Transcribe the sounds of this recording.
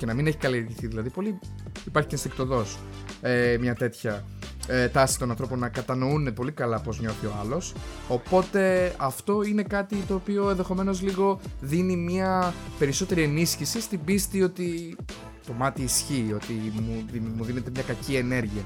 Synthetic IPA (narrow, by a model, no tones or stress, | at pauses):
ce̞nɐmine̞çi̥kɐlie̞ɾʝiθiðilɐðipo̞liipɐɾçi̥censt̪ik̚t̪o̞ðo̞s | emɲɐt̪e̞t̪çɐ | t̪ɐsi̥t̪o̞nɐ̃nθɾo̞po̞nːɐkɐt̪ɐno̞une̞po̞likɐlɐpo̞zɲo̞θio̞ɐlo̞so̞po̞t̪e̞ɐft̪o̞ine̞kɐt̪it̪o̞ːpioenðe̞xo̞me̞no̞zliɣo̞ðinimɲɐpe̞ɾiso̞t̪e̞ɾie̞nisçisist̪ibist̪io̞t̪i | t̪o̞mɐt̪iːsçiːo̞t̪imuimuðine̞t̪e̞mɲɐkɐcie̞ne̞ɾʝiɐ